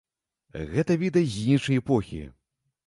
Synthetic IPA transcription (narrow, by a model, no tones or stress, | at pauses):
ɣɛt̪ɐvʲid̪ɐzʲinʂɐjɛpɔxʲḭ